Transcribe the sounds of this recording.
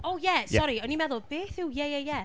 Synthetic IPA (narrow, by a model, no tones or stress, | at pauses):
oʊjɛsɔɹiənimɛðəb̥eːθujɛjɛjɛ